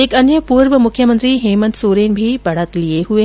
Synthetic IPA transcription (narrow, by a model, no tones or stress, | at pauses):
ekɐnjəpuːɾʋəmʊkʰjəmənt̪ɾiːɦeːmənt̪suːɾeːnbʱibɐɽət̪lieɦue